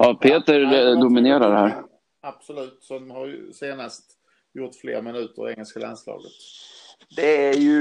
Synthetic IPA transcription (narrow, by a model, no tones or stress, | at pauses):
ɑpʰeːt̪əɾd̪ʊmɪneːɾaɖɛhæːɾ | ab̥sɔlʉ̟ːt̪sɔhaɾj̰seːnast̪ | jʊʈːflḛːɾmɪnʉ̟ːt̪ə̰ɾɛŋːəlskala̰nslɑ̰ːɡət̪ | d̪ɛæjɵ